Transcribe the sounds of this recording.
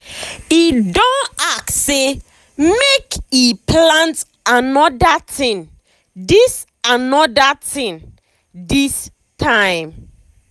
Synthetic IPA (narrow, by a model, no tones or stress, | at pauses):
idõnak̚tse | mekipʰlãnt | anɔdatĩn | dis | anɔdatĩn | dis | tʰãɪ̃m